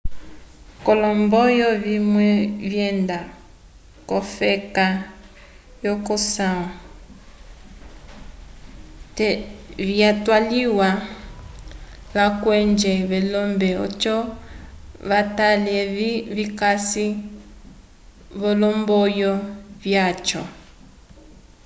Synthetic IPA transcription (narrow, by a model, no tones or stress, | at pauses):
kolɔmbɔjɔβimwɛβjɛnda | kofɛka | jokosãɔ | tβjatwaliwa | βakwend͡ʒeβelɔmbɛo̰t͡ʃɔ | βataleβikasi | βolɔmbojɔβjat͡ʃɔ